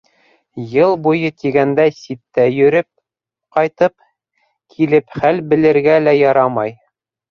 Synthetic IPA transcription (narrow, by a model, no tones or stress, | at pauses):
jɤlˠbujɤt̪iɡænd̪æsit̪ːæjɵ̆ɾɘp̚ | qɑjt̪ɤp | kʰilɘpχælbɘ̆lɘ̆ɾɡælæjɑɾɑmɑj